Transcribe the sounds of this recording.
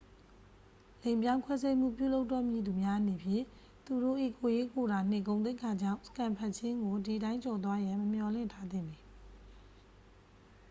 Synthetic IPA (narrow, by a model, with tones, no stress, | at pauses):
lẽ˨ɪ̃mpjã˦ʊ̃ŋkʰwɛ˦s̬e˦ɪm̥ṵ˦˨pjṵ˦˨lo˦ʊtːɔ˦˨mji˨d̪u˨mja˦ʔne˨pʰjɪ̃˦˨ | t̪u˨ɾo̰˦˨ʔḭ˦˨ko˨je˦ko˨ɾa˨n̥ɪ̰̃˦˨k̬õ˨ʊ̃nt̪we˦ɪkʰa˨d͡ʑã̰˦˨ʊ̃sə̥kã˨mpʰa˦˨ʔt͡ɕʰɪ̃˦ŋɡo˨di˨ɾã˦ɪ̃t͡ɕɔ˨t̪̬wa˦jã˨məm̥jɔ˨lɪ̰̃˦˨ntʰa˦d̪ɪ̰̃˦˨ni˨